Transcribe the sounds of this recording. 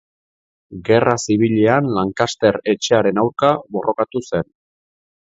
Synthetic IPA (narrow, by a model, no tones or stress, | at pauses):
ɡe̞rasiβ̞iʎeanlaŋkast̪e̞ɾe̞t͡ʃe̞aɾe̞nawɾkaβo̞rʔo̞kat̪use̞n